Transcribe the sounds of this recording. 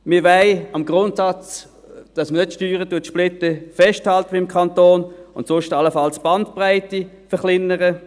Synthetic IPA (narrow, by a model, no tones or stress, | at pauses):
mɪɐʋaɪɑmɡʁʊntsɑt͡s | d̥ɑsmənətʃtyːʁətuətʃplɪtəfɛʃthɑltəʋiɪmkʰɑntoːnʊ̰ntsʊʃtɑləfɑlsb̥ɑntpʁaɪtə | fəχlɪnːəʁə